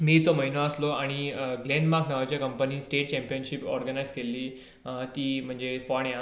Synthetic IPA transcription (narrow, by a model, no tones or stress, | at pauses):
miːt͡sɔməɦinoəsloaɽ̃iɡlẽnmaɾknaʋat͡ɕjakəmpəniːsʈeʈ̚t͡ɕɛ̃mpijənɕipɔɾɡənajzkelːiː | t̪iːm̤əɳd͡zefɔɳjã